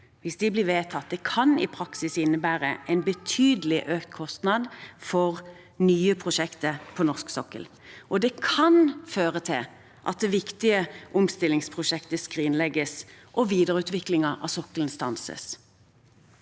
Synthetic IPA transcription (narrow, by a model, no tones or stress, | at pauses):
ʋɪsd̪ɪblɪʋeːt̪ʰɑt̪̚d̪ɛkʰɑnɪ̰pʰʁɑksɪsɪnːəbæːʁəʔɛɪnbət̪ʰyːd̪əlɪʔøːkt̪kʰɔst̪nɑd̪fɔʁ | nyːəpʰʁʊʃɛkt̪əpʰɔnɔʁsksɔkːə̰l | ʔɔd̪ɛkʰɑnføːʁət̪ʰɪl | ʔɑ̰t̪̚d̪ɛʋɪkt̪ɪəʔʊmst̪ɪlːɪŋspʰʁʊʃɛkt̪əskʁiːnlɛɡəs | ʔɔʋiːd̪əʁʉːt̪ʋɪklɪŋəʁʔɑ̰sɔkələnst̪ɑnsə̰s